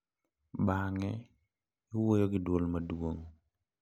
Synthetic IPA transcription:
baŋɛ | wojoɡɪdwolmɐdwoŋ

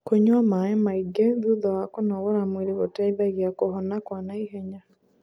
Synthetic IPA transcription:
koɲwamaemaiɡɛðuðawakonɔɣɔɾamweɾeɣotaiðaɣjakoɦɔnakwanaiɦɛɲa

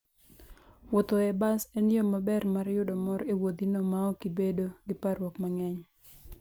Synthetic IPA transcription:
wot̪oɛbasenɪomabɛrmaɾjʊdɔmɔɾewod̪inomaɔkibedoɡɪpaɾwɔkmaŋɛɲ

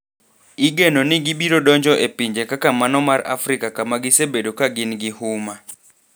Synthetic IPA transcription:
iɡenɔnɪɡibiɾodɔɲd͡ʒɔʔepiɲd͡ʒekakamanɔmaɾa̰fɾikakamaɡɪsebedokaɡɪnɡɪhuma

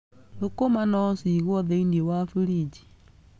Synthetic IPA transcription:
lokomanɔsiɣwɔðeindiewafuɾid͡ʒi̥

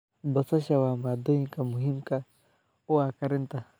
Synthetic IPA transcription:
bɔsaʃawamad̪oiŋkamuɦimka | uakaɾint̪a

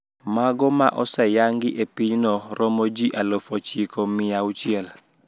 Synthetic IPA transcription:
maɡɔma̰ʔɔsajaŋɡiʔepiɲnɔɾʔɔmod͡ʒiʔalɔfɔt͡ʃikomijawt͡ʃiɛl

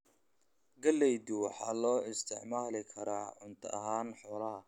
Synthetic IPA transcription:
ɡɐlːɛjd̪ʊwɑħɑːlɔːɪst̪ʰɪʕmaːlɪkʰɐɾaːʕʊnt̪ʰɐɐɦaːnħɔːlɐɦɐ

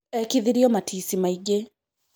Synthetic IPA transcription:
ɛkiðiɾiɔmatʰisimaiɡɛ

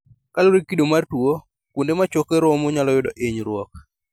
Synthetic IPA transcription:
kaloɾekidomartwo | kundemat͡ʃokeɾɔmoɲalɔjʊdɔʔeɲɾwɔk̚

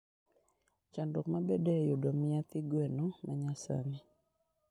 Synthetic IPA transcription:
t͡ʃandɔkmabɛdɛjodɔmɪat̪ɪɡwɛnɔmaɲasa̰ni

